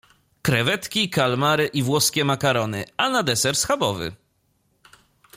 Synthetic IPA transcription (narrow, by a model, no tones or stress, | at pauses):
kɾɛvɛt̪kʲikalmaɾɘʔivwɔskʲɛmakaɾɔnɘanad̪ɛsɛɾsxabɔvɘ̰